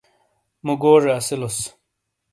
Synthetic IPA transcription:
muɡoːʐeɐsilos

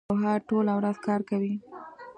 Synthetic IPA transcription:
ɦaʈolawɾazkɑɾkawi

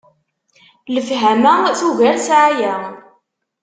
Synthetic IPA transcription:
ləfɦæmæθuʝæɾsʕajæ

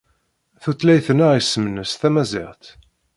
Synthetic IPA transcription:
θut͡sːlæjθənaʁjsːəmənəsθæmæzɪ̰ʁt̪

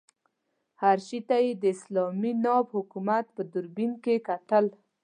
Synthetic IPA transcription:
haɾʃit̪ajed̪əɪslɑminɑbhʊkumat̪̚pəd̪ʊɾbinkekat̪əl

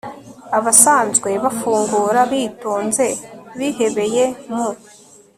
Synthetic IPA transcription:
aβasaːnzɡwe̞βafuːŋɡuːɾaβiːtuːnze̞βihe̞βe̞je̞mu

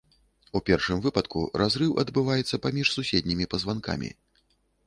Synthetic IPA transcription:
upʲɛrʂɨmvɨpɐt̪kṵɾʔazɾɨwɐ̰d̪bɨvajɛt̪sːɐpamʲiʂsusʲed̪̚ʲnʲimʲipɐzvanka̰mʲḭ

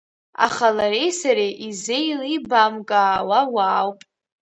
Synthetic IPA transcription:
a̰χalaɾejsaɾeʔizejlibamkʼaːwawaːwpʼ

